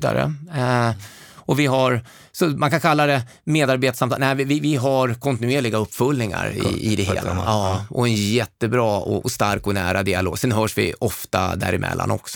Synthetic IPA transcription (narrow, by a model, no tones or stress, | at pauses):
d̪a̰ɾə̰ | ɔvɪɦaɾ | sɔmankʰankʰalːad̪ɛ | meːd̪aɾbeːt̪asamt̪næɪvɪvɪvɪɦaɾkʰɔnt̪ɪnɵeːɭɪɡaɵpːfɵlnɪŋa̰ɾɪ̰ɪd̪ɛɦḛːlaʔɔɛnjɛt̪ːəbɾɑːɔʔɔst̪aɾkɔnæːɾad̪ɪaloːɡsɛnɦœːʂvɪ̰ɔft̪a̰d̪æ̰ːɾɪmʔɛ̰lːa̰nɔksɔ̥